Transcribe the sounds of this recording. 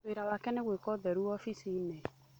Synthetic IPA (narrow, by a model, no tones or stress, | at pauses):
eɾawakɛneɣwekɔðɛɾuɔfisine